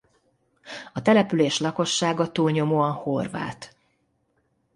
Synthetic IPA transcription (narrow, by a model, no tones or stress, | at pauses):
ɒt̪ɛlɛpyleːʃlɒko̞ʃːaːɡɒt̪uːlɲo̞moːɒnho̞rva̰ːt̪